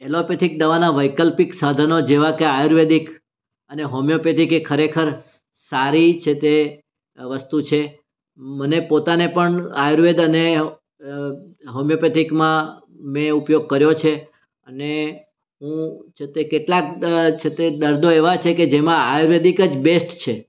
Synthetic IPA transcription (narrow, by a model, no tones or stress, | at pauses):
elopet̪ʰik̚d̪əʋanaʋəjkəlpiksad̪ʱənod͡ʒeʋakeajɾʋed̪ik | əneɦomjopet̪ikekʰəɾekʰəɾ | saɾit͡ʃʰet̪e | ʋəst̪ut͡ʃʰe | mənepot̪anepəɳajɾʋed̪əne | ɦomjopet̪ikmã | mẽupjoɡ̚kəɾjot͡ʃʰe | əne | ɦũt͡ʃʰet̪ekeʈlakt͡ʃʰet̪ed̪əɾd̪ʱoeʋat͡ʃʰeked͡ʒemãajɾʋed̪ikəd͡ʒbesʈt͡ʃʰe